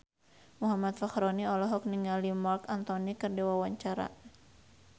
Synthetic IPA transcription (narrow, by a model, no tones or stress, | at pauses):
muɦamat̪̚faxɾɔniɔlɔɦɔk̚niŋalimɔrkant̪ɔnikɨrdiwawaɲt͡ʃaɾa̰